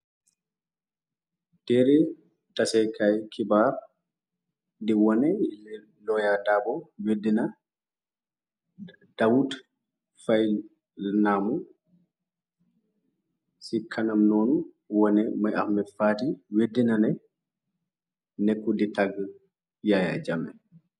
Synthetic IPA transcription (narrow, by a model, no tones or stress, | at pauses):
d̥ɛɾɛ | tɐsɛkʰɐjkʰibaːɾ | d̪iwɔnɛɛ | lɔjadaːbɔwedːinɐ | d̥ɐwut | fɐj | namu | sikʰːanamnɔːnu | wɔnɛmajafmɛfaːtiwedːinanɛ | nɛkːuditaɡ | jaja̰d͡ʒamɛ̰